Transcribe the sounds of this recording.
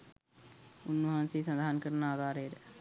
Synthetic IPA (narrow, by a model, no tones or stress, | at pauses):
unːʋɐɦansejːsɐnd̪aɦankəɾɐnəaːɡaːɾejəɾə